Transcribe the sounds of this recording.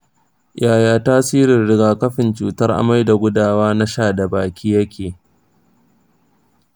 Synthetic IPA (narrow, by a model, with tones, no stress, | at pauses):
jʔaː˨jaː˦taː˦siː˦ɾɪ˨nɽɪ˨ɡaː˨kɐ˦ɸɪ˨nt͡ʃuː˨tɐ˦rʔa̰˨ma˦jda˨ɡʷʊ˦daː˦˨waː˦na˦ʃaː˦˨da˨baː˨kʲʰiː˦jɐ˦kʲʰeː˨